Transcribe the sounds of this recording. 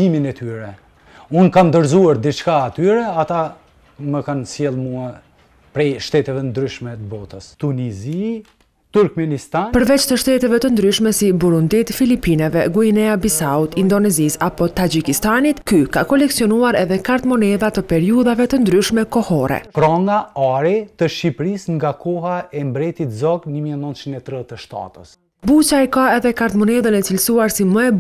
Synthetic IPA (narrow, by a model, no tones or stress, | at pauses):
iminɛt̪yɾɛ | unkand̪əɾzuaɾd̪it͡ʃkaːt̪yɾɛat̪a | məkansjɛlˠmua | pɾɛjʃt̪ɛt̪ɛvɛnd̪ɾyʃmɛt̪əbɔt̪əst̪unizi | t̪uɾkmɛnist̪apəɾvɛt͡ʃt̪əʃt̪ɛt̪ɛvɛt̪ənd̪ɾyʃmɛsibuɾund̪it̪filipinɛvɛɡuinɛabisaut̪ind̪ɔnɛzisapɔt̪ad͡ʒikist̪anit̪kykakɔlɛksiɔnuaɾɛðɛkaɾt̪mɔnɛðat̪əpɛɾiuðavɛt̪ənd̪ɾyʃmɛkɔhɔɾɛ̰kɾɔŋɡaaɾɛt̪əʃipɾisŋɡakʰɔɦaɛmbɾɛt̪it̪zɔɡnəmiɛnənt͡ʃinɛt̪ɾət̪əʃt̪a̰t̪əs | but͡ʃaɛkaɛðɛkaɾt̪mɔnɛðənɛt͡silsuaɾsiməɛ